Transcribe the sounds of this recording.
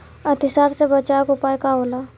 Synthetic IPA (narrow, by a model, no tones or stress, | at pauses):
ət̪ɪsaːɾsebət͡ʃaːkʊpaːekaɦoːlaː